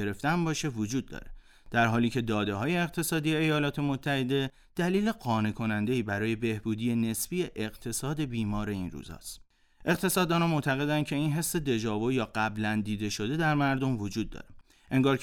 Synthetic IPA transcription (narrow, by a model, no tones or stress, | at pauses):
eɾe̞ft̪ænbɒːʃe̞vod͡ʒuːd̪̚ːɒ̰ːɾe | d̪̥æɾɦɒːliːcʰe̞d̪ɒːd̪e̞ɦɒːje̞ːqt̪ʰe̞sɒːd̪ijeejɒːlɒːt̪ʰe̞mot̪ʰːæhe̞d̪e̞ | d̪̥æliːle̞ɢɒːne̞kʰo̞nænd̪e̞iːbæɾɒːje̞be̞hbuːd̪iːene̞sfijeʔeɣt̪ʰe̞sɒːd̪e̞biːmɒːɾe̞iːnrṵːzɒ̰ːst̪ | ʔe̞qt̪ʰe̞sɒːd̪ɒːnɒmo̞t̪ʰæɣe̞d̪æncʰe̞inɦe̞sːe̞d̪e̞d͡ʒɒːvojɒːɢæblænd̪iːd̪e̞ʃo̞d̪e̞d̪æɾmæɾd̪o̞mvo̞d͡ʒuːd̪̚ːɒ̰ːɾe | ʔe̞ŋɡɒːɾ